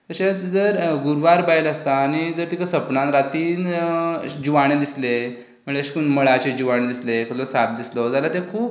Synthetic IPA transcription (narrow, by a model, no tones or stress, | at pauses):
t̪əɕet͡sd͡zəɾɡuɾʋaɾbailast̪aːñid͡zəɾt̪ikʰasəpnãnɾat̪iːn | d͡ʑuʋaɽ̃ed̪isle | m̤əɭeɕkuːnməɭat͡ɕed͡ʑuʋaɽ̃ẽd̪islekʰəllosat̪̚d̪islod͡zalat̪ekʰuːp̚